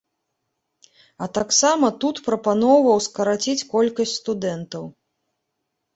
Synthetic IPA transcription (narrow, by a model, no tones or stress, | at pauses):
ɐt̪aksamɐt̪ut̪pɾɐpanɔwvɐwskɐɾat͡sʲit͡sʲkɔlʲkɐsʲtʲst̪ud̪ɛnt̪ɐw